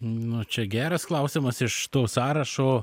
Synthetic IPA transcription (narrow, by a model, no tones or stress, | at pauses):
nʊt͡ʃʲɛɡʲæːɾɐsklˠɐʊsʲɪmɐsɪʃt̪oːsɑːɾɐʃoː